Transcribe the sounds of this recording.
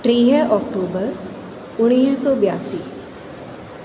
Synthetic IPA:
ʈɾeːɦɛʔɔːk̚ʈoːbəɾ | ʊɽ̃iːssɔːbjaːsiː

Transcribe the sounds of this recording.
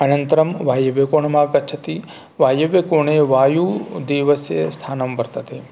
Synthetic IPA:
ɐnɐnt̪ɐɾɐmʋaːjɐʋjekoɳ̃maːkɐtːt͡ʃʰɐt̪i | ʋaːjɐʋjekoːɳeʋaːjud̪iʋɐsjḛst̪ʰaːnɐmbɐɾt̪ɐt̪e

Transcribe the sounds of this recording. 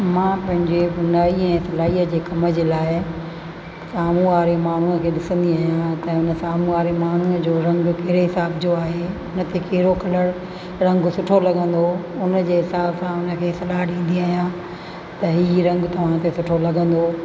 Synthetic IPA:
mãːpɐ̃ɦɪ̃ɲd͡ʑebʊnaːiɛ̃ːsɐlaːiəd͡ʑeːkɐmə̆d͡ʑeːlaːɪ | saːmuʋaːɾemaːɳ̤unəkʰeːɗɪsə̃nd̪iaːɦijãt̪ɐʊnə̆saːmũʋaːɾemaːn̤unəd͡ʑoːɾɐ̃ŋɡkɐɦɾeɦɪsaːbd͡ʑoaːɦeʊnə̆t̪ekɐɦɪɾokɐləɽ | ɾɐ̃ŋɡsʊʈʰolɐɠʱə̃nd̪oʊnəd͡ʑeːɦɪsaːbsãʊnə̆kʰeːsɐlaːɦɗĩːn̆d̪iaːɦijã | t̪ɐɦiːɾɐ̃ŋɡt̪ɐʋ̤ãt̪esʊʈʰolɐɡʱə̃nd̪oː

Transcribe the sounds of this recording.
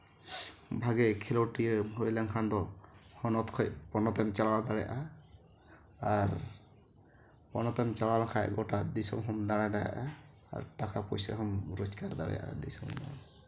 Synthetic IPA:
bʱaɡɛkʰɛlɔwʈiɦojlaŋkʰand̪ɔhɔnɔt̪kʰɔjpɔnɔt̪ɔmt͡ʃalawd̪aɽɛjaʔa | aɾ | pɔnɔt̪ɔmt͡ʃalalakʰajɡɔʈad̪isɔ̰mɦɔmd̪aɽ̃ad̪aja̰ʔa | a̰ɾʈakapɔjsa̰ɦɔmɾɔskaɾd̪a̰ɽɛ̰jʔa̰d̪ḭsɔmd̪a̰

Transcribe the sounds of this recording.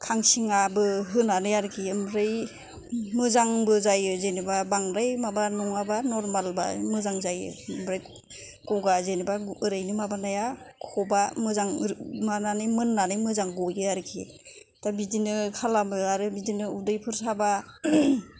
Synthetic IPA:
kʰaŋsiŋabɯɦɯnanɯjaɾɯkʰiɯmɾɯj | mɯzaŋbɯzajɯzenibabaŋɾajmabanɔŋabanɔɾmalba̰mɯzaŋzajɯ̰mɾaj | kɔɡazenibaɯɾajnɯmabanajakʰɔbamɯzaŋmananɯjmɯnːanɯjmɯzaŋɡɔjɯaɾɯkʰi | tabidinɯkʰalamɯaɾɯbidinɯudɯjpʰɯɾsʰaba

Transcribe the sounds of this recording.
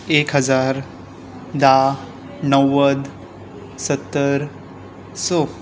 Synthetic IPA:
ekɦəd͡zaɾ | d̪a | nəwəd̪ | sət̪ːəɾ | sɔ

